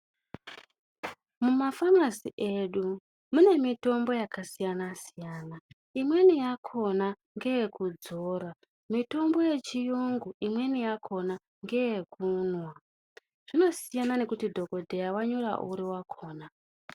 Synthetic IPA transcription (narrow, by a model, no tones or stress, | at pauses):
mumafanasḭʔe̞ɗu | mune̞mito̞mbo̞jakasijanasijaːna | imwe̞nijakʰo̞na | ŋɡe̞jekud͡zo̞ːɾa | mito̞mbo̞je̞t͡ʃijuŋɡuimwe̞nijakʰo̞na | ŋɡe̞jekʰunwa | ʐ̥ino̞sijanane̞kutidʱo̞ko̞dʱe̞jawaɲoɾa̰ʔuɾiwakʰo̞ːna